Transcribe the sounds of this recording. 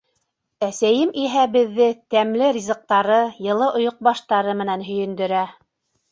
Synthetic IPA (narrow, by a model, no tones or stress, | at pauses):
æsæjɘmiɦæbɘ̆ðːɘt̪æmlɘɾʲizɤ̆q̚t̪ɑɾɤjɤ̆lˠɤʔŏjŏq̚bɑʃt̪ɑɾɤmɘ̆nænɦɵ̆jɘ̆nd̪ɵ̆ɾæ